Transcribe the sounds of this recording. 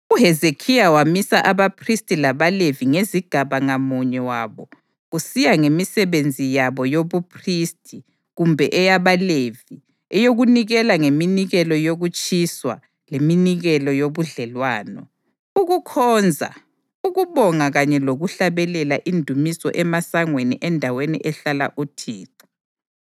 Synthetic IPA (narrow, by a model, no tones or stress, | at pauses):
uɦɛzekʰijawamisaʔaβapʰristʼilaβaleviŋeziɡ̥ʱaβaŋamuɲɛwaːβɔ | ɣusijaŋemisɛβend͡zʱijaβɔjoβupʰristʰʼi | ɣumbʱɛʔɛjaβalevi | ɛjoɣuniɣɛlaŋeminiɣɛlɔjoɣut͡ʃʼiswa̰ | leminiɣɛlɔjoβuɮɛlwaːnɔ̰ | uɣukʰɔːnd͡zʱa̰ | uɣuβɔŋaɣaɲɛloɣuɬaβɛlɛlaʔindʱumisɔ̰ʔɛmasaŋwenḭʔɛndʱawenḭʔɛɬala̰ʔutʰiːǀu̥